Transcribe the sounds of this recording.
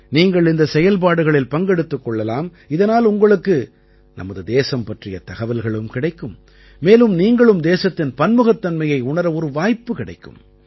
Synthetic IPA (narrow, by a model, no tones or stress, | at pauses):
niːŋɡɐɭɪnd̪ɐsɛjɐlp̬aːɽɯɣɐɭɪlpɐŋɡɛɽɯt̪ːɯkːɔɭːɐlaːm | ɪðɐnaːlʊŋɡɐɭɯkːɯ | nʔɐ̰mɐðɯd̪eːsɐmpɐʈrɪjɐt̪ɐɣɐʋɐlɣɐɭɯmkɪɽɐɪkːɯmː | eːlɯmniːŋɡɐɭɯmd̪eːsɐt̪ːɪnpɐnmɯɣɐt̪ːɐnmɐjɐɪʊɳɐɾɐɔɾɯʋaːjpːɯkɪɽɐ̰ɪkːɯ̰m